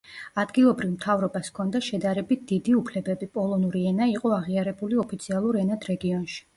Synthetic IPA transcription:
ad̪ɡilˠɔbɾivmt̪ʰavɾɔbaskʰɔnd̪aʃɛd̪aɾɛbit̪̚ʰd̪̥id̪iupʰlɛbɛbipʼɔlˠɔnuɾiɛnaiqʼɔaʁiaɾɛbuliɔpʰit̪sʰialˠuɾɛnad̪ɾɛɡiɔnʃi̥

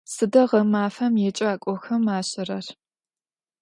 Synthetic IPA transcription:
sɨdɐʁɐmaːfɐmjɛt͡ʃʼɐaːkʷʼɔxɐmaːɕɪrɐr

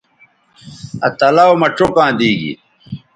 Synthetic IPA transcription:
ɐt̪ɐlaomɐʈ͡ʂokãːd̪iːɡḭ

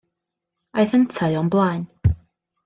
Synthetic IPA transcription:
ajθəntʰaɨɔnblˠajn

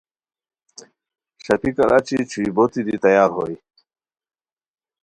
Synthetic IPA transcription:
ɕɐpikɐ̰ɾʔa̰ːt͡ɕit͡ɕʰuibot̪id̪it̪ɐjaːɾɦoj

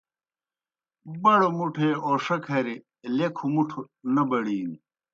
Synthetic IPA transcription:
bɐɽomuʈʰeoːʂɐkʰɐɾi | lekʰumuʈʰu | nɐbɐɽiːn

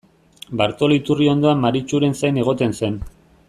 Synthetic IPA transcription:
baɾt̪o̞lit̪urio̞nd̪o̞amːaɾit͡ʃuɾe̞nsajne̞ɣ̞o̞t̪e̞nse̞n

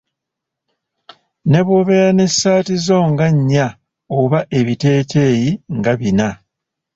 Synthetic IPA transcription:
ne̞βoβe̞ɾane̞sːaːtizo̞ŋɡaɲːa | oβaʔe̞βite̞ːte̞ːjiŋɡaβina

